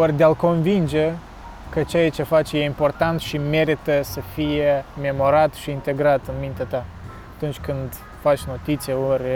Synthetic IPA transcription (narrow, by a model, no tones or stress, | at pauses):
orʲd̪ealko̞nvind͡ʒe | kət͡ʃejat͡ʃe̞fat͡ʃje̞impo̞rt̪ant̪ʃime̞ɾit̪əsəfijeme̞mo̞ɾat̪ʃiːnt̪e̞ɡɾat̪ɨnmint̪eat̪a | t̪unt͡ʃʲkɨnd̪ | fat͡ʃʲno̞t̪it̪sijaorʲ